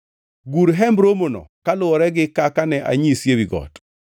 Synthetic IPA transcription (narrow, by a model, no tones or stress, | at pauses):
ɡuɾɦɛmbɾomonɔ̰kalʊɔɾɛɡɪkakanɛʔa̰ɲisjewiɡɔ̰t